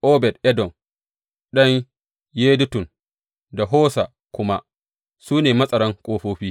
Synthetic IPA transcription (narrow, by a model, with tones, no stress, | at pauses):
ʔoː˦bɛ˨dʔɛ˦dɔ˨n | ɗɐ˦ɲ | jeː˦dʊ˦tʊ˨n | da˨ɦoː˦sa˨ | kʷʊ˦ma˦ | suː˦neː˨mɐ˦sʼɐ˨ɽɐ˦ŋkʷʼoː˦ɸoː˦ɸiː˦